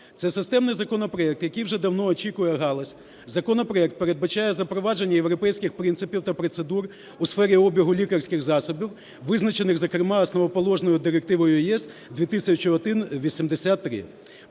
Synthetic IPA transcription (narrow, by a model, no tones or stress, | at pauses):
t̪sɛsɪst̪ɛmnɪjzɐkɔnɔpɾɔɛk̚t̪jɐkijwʒɛd̪ɐwnɔːt͡ʃʲikʊjɛɦɑlˠɐsʲ | zɐkɔnɔpɾɔɛk̚t̪̚peɾed̪̚bɐt͡ʃajɛzɐpɾɔʋɑd͡ʒenʲːɐjewɾɔpɛjsʲkɪxpɾint̪sɪpʲiwt̪ɐpɾɔt̪sed̪ur | usfɛɾʲiɔbʲiɦʊlʲikɐrsʲkɪxzɑsɔbʲiw | ʋɪznɐt͡ʃenɪxzɐkɾemɑɐsnɔʋɔpɔlˠɔʒnɔjʊd̪ɪɾek̚t̪ɪʋɔjʊʊjɛs | d̪ʋʲit̪ɪsʲɐt͡ʃiɔd̪ɪnʋʲisʲimd̪esʲat̪ːɾɪ̰